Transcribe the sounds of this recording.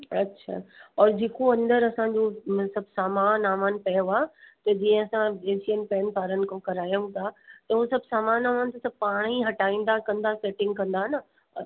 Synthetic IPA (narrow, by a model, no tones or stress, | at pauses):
ɐtːɕʰa̰ːɔːɾd͡ʑeːkoɐ̃nd̪əɾɐsãɲd͡ʑosɐbʱsaːmaːnaːmaːnɪ̆pɐjoaːt̪ɐd͡ʑĩːə̃ɐsãd͡ʑeːʃijənɪ̆pɛːnɪpaːɾənɪ̆kʰãkɐɾaːjũt̪ʰat̪ɐũsɐbʱsaːmaːnaːmaːnɪ̆t̪ʰɐsɐb̚ʱpaːɽ̃iɦɐʈaːĩːn̆d̪akɐ̃nd̪aseːʈɪ̃ŋɡkɐ̃nd̪aɦnɐ